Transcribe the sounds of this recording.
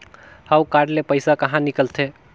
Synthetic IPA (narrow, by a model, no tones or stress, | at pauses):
hawkaɖlepəɪsakəɦãnikəlt̪ʰe